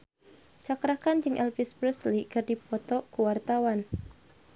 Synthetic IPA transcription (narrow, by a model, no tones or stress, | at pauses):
t͡ʃakɾakand͡ʒɨŋʔɛlfispɾəslikərdipɔt̪ɔkuwart̪awan